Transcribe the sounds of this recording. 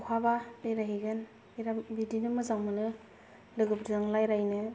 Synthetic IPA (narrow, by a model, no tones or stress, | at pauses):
kʰabaejɾaɦiɡɯn | ɾambidinɯmɯzaŋmɯnɯ | lɯɡɯbɾzaŋlajɾajnɯ